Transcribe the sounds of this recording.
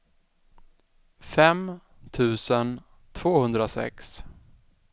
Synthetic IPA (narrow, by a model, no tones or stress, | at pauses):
fɛm | t̪ʰʉ̟ːsən | t̪ʰv̥oːhɵnd̪ɾasɛ̰ks